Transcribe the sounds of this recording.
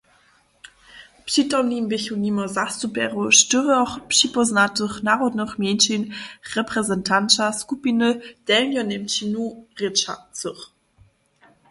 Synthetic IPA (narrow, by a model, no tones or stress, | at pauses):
pʂitɔmnimbɪçunimɔzastupɛʁuʃtɵʁəɔχpʂipɔznatəχnaːʁɔdnəχmjɛnʃinʁɛpʁɛzɛntʰant͡ʃaskupinəd̥ɛlnjɔnɛmt͡ɕinuʁet͡ʃa̰t͡səχ